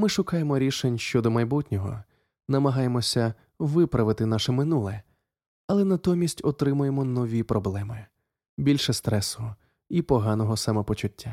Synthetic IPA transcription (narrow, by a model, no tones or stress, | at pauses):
mɪʃʊkɑjemɔɾʲiʃenʲʃt͡ʃɔd̪ɔmɐjbutʲnʲɔɦɔ̰ | nɐmɐɦɑjemɔsʲɐ | ʋɪpɾɐʋɪt̪ɪnɑʃɛmɪnulˠɛ | ɐlˠɛnɐt̪ɔmʲisʲtʲɔt̪ɾɪmʊjemɔnɔʋʲipɾʔɔblˠɛmɪ | bʲilʲʃɛst̪ɾɛsɔʊɦɔ | ipɔɦɑnɔɦɔsɑmɛpɔt͡ʃʊtʲʰːa